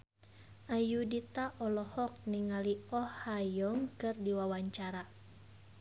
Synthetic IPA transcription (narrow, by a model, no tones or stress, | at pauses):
ʔajudit̪aʔɔlɔhɔk̚niŋaliɔhajɔŋkɨrdiwawaɲt͡ʃaɾa